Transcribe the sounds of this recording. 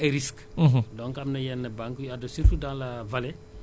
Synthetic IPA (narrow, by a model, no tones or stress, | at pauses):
ɐɾiskːɦdɔnkɐmnɐjɛnːɐbaŋkujɐdosiɾkudaːlɐvɐlɛ